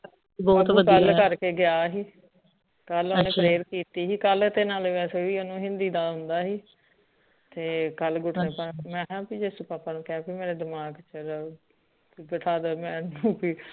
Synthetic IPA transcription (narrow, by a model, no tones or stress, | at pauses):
bːt̪ʋəd̪kəlkəɾkeːɡɪjaːɦiː | kəlonẽːpɾeːɾkiːt̪iːɦiːkəlt̪eːnaːlʋɛːseːʋiːonũːɦɪ̃nd̪iːd̪aːɦʊ̃nd̪aːɦiː | t̪eːkəlɡʊʈʰnẽːpəmɛ̃ːɦãːpiːd͡ʒeːsupaːpaːnũːkãːpiːmeːɾeːd̪ɪmaːɡt͡ʃəɾ | ɡəʈʰaːd̪əːmɛ̃ːnũːpiː